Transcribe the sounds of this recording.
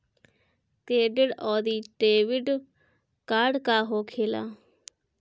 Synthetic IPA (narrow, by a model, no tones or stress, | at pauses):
keːɖɪɖɔːd̪iːɖeːʋɪɖ | kaːɖkaːɦoːkʰeːla̰ː